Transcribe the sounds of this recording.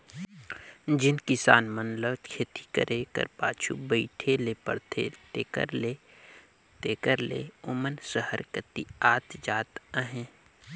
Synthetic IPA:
d͡ʒɪnkɪsa̰ːnmənləbkʰeːt̪i̥kə̰ɾʔekə̰ɾpaːt͡ʃʰṵbəɪʈʰeleːpə̰ɽt̪ʰḛt̪eːkə̰ɾle | t̪eːkəɾlḛːʊmənsəhəɾkət̪iaːt̪d͡ʒaːt̪əɦẽː

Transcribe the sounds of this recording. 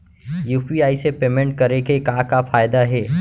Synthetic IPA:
juːpiaːisepeːmẽɳʈ̚kɐɾekekãːkafaːjd̪aɦɛː

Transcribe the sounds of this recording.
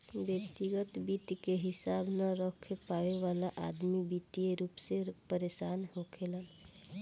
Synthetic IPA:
bjək̚t̪iɡət̪bit̪ikeɦɪsaːbnəɾəkʰepaweʋalaʔad̪mibit̪ijeɾuːpsepəɾesaːnɦokʰelən

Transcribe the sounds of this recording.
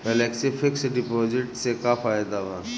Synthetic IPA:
pɛleksifʰɪksɖɪpɔːd͡ʒɪʈsekafʰaːjd̪aʋa

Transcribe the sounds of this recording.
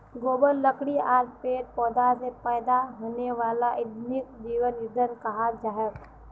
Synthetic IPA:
ɡoːbəlːəkɽiaːɾ̚peːɾ̚pɔːd̪asepɛːd̪aɦoːneʋaːlaʔɪd̪nɪk̚d͡ʒiːʋənɪd̪ʱəɾkɐɦad͡ʒaːjək

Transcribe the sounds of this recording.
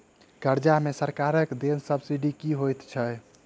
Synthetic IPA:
ɡəɾd͡ʒamesəɾkaɾəkd̪ensəbsiɖikiɦojt̪t͡ʃʰə

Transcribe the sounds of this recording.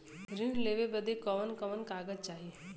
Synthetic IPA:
ɾɪɡleːʋebəd̪ekɔmənkɐʋənkaːɡəd͡ʒt͡ʃaːɦie

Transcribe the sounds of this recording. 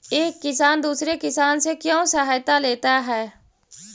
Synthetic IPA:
eːkːɪsaːnd̪uːsɾekɪsaːnsekjõːsɐɦaːjt̪aleːt̪aɦɛː

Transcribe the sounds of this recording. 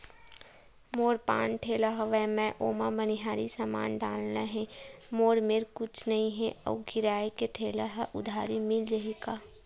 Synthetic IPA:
moːɾpã̰ːnʈʰeːlaɦaʋɛmɛ̃ʔoːmamɐnɪɦaːɾisama̰ːnɖaːlnaɦɛ̃moːɾmeɾkʊt͡ʃʰnɐɦĩɦɛʔɔ̰ːɡɪɾaːekeʈʰeːlaɦaʔʊd̪ʱaːɾimɪld͡ʒɐɦekaː

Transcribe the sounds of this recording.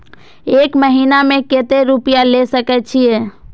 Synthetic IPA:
ekməɦinameket̪eɾupijalesəkɛt͡ʃʰije

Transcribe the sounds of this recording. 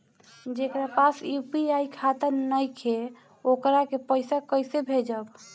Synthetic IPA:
d͡ʒekɾapasjupiajkʰat̪əɾnəjkʰe | okɾakepəɪsakəjsebʱed͡ʒəb

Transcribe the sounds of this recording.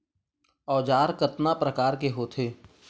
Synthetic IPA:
ɔːd͡ʒaːɾkəɾt̪napɾəkaːɾkeɦoːt̪ʰeː

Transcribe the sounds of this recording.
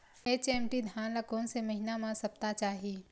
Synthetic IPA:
eːt͡ʃeːmʈid̪ʱjaːnlɐkoːnɪ̆semɐɦɪnamãsɐp̚t̪at͡ʃaːɦiː

